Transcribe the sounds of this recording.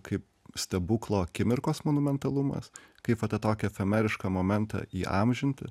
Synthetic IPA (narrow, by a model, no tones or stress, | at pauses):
kɐɪp | sʲt̪ʲɛbuklˠoːkʲɪmʲɪɾkoːsmoːnʊmʲɛnt̪ɐlˠumɐ̰skɐɪpʋɐt̪ɐt̪oːkʲɛfʲɛmʲæɾʲɪʃkɐmoːmʲɛnt̪ɐ̰ːiːʔɑ̰mʲʒʲɪnʲt̪ʲɪ̰